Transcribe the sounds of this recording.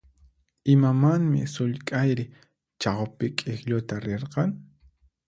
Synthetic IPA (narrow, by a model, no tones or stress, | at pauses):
ɪmamaŋmɪ̰sʊʎkʼajɾɪ | t͡ʃɑχopɪkʼɪxʎʊt̪aɾeɾqɑŋ